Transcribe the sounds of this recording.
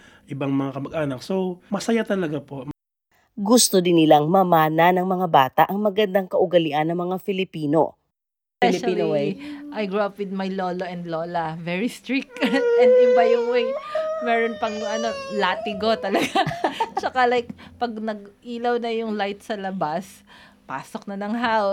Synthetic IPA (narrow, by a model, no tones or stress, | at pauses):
ʔɪbaŋmɐŋakɐmɐɡʔaːnɐk̚somɐsɐjat̪ɐlɐɡapo | ɡʊst̪od̪ɪnːɪlaŋmɐmaːnanɐŋmɐŋabaːt̪aʔɐŋmɐɡɐnd̪aŋkɐʔʊɡɐlɪʔanːɐŋmɐŋafɪlɪpiːno̞̰ | fɛlʃliowejʔajɡɹuɐpwɪd̪̚mɐjloːloʔɛ̃nd̪loːlɐvɛɹist̪ɾɹik̚ʔɛnd̪ɪbɐjʊŋwɪŋmɛːɾonpɐŋʔɐno̞laːt̪ɪɡo̞t̪ɐlɐɡat͡ʃɐkalajk̚pɐɡnɐɡ̚ʔiːlɐwnɐjʊŋlajt̪̚sɐlɐbas | paːsok̚nɐnɐŋɦaw